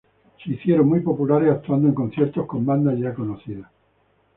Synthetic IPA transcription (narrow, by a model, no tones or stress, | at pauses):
seiθjeɾoŋmijpo̞pulaɾesak̚t̪uand̪oe̞ŋko̞n̟θje̞ɾt̪o̞hkõ̞mbãnd̪aʝako̞noθiða